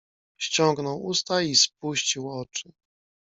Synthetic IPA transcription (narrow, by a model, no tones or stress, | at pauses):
ɕt͡ɕɔŋɡnɔwust̪aispuɕt͡ɕiwɔt͡ʂɘ